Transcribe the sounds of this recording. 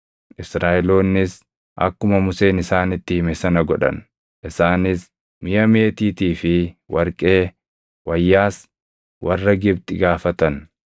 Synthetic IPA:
ʔɪsɾaːʔɛlo̞ːnːɪs | ʔɐ̰kːʊmɐmʊse̞ːnɪsaːnɪt̪ːɪhɪmɛsɐnɐɡɔᶑɐ̰n | ʔɪsaːnɪs | mɪjɐmeːt̪iːt̪iːfɪwɐɾkʼe̞ː | wɐjːaːs | wɐrːɐɡɪbt̪ɪɡaːfɐt̪ɐn

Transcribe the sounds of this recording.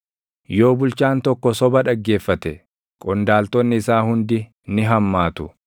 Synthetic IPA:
jo̞ːbʊlt͡ʃaːnt̪ɔkːɔsɔbɐᶑɐɡːe̞ːfːɐt̪ɛ | kʼɔnd̪aːlt̪ɔnːɪːsaːhʊnd̪ɪ | nɪɦɐmːaːt̪ʊ

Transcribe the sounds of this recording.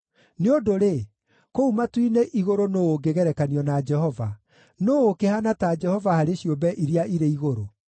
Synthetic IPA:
neodoɾe | koumatwineʔiɣoɾonooɡeɣɛɾɛkaniɔnad͡ʒɛhɔva | noːkehanatad͡ʒɛhɔvahaɾeɕiombɛʔiɾiaʔiɾeiɣoɾo

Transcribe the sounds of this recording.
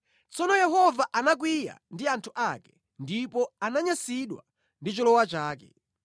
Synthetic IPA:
t͡sɔnɔjɛɦɔvaʔanak̬wija̰ndiantʰuʔakɛ̥ | ndipɔanaɲasiɗwa | ndit͡ʃɔlɔwat͡ʃaːkɛ̰

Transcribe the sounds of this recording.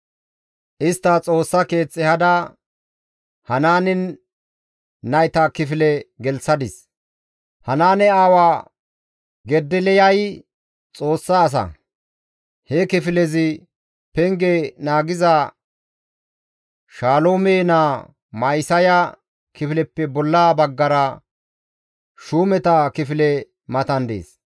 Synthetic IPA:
ʔɪst̪ːɐt͡sʼo̞ːsːɐke̞ːt͡sʼːɛhɐd̪ɐ | hɐnaːnɪn | ɐjt̪ɐkɪfɪlɛɡɛlsɐd̪ɪs | hɐnaːnɛaːwaː | ɡɛd̪ːɪlɛjɐj | t͡sʼo̞ːsːɐːs̬ɐ̰ | hɛkɪfɪlɛzɪ | pɛŋɡɛnaːɡɪzɐ | ʃaːloːmeːna | mɐjsɐjɐ | kɪfɪlɛpːɛbɔlːaːbɐɡːɐɾɐ | ʃuːmɛt̪ɐkɪfɪlɛ | mɐt̪ɐnd̪ḛːs

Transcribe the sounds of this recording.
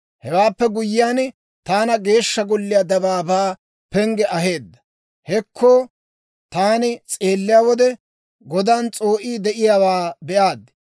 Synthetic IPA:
hɛwaːpːɛɡʊjːɪjaːn | t̪aːnɐɡe̞ːʃːɐɡɔlːɪjad̪ɐbaːbaː | pɛŋɡɛʔɐɦe̞ːd̪ːɐ̥ | hɛkʰːoː | t̪aːnɪt͡sʼe̞ːlːɪjaːwɔd̪ɛ | ɡɔd̪aːnt͡sʼo̞ːʔiːd̪ɛʔɪjaːwaːbɛʔaːd̪ːɪ

